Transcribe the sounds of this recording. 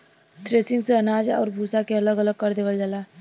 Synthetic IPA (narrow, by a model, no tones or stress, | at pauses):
t̪ɾeːsɪ̃ŋɡseɐnaːd͡ʒɔ̰ːɾbʱuːsakeɐləɡələɡ̚kəɾd̪eːʋəld͡ʒaːlaː